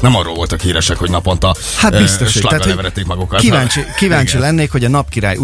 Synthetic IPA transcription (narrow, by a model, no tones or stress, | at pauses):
nɛmɒrːoːlvo̞lt̪ɒkhiːɾɛʃɛkhoɟnɒpo̞nt̪ɒ | hat̪bist̪o̞ʃʃlɒaːt̪hovɛɾɛt̪ːeːkmɒɡukɒttkivaːɲt͡ʃikivaːɲt͡ʃilɛnːeːkho̞ɟɒnɒpkiɾa̰ːju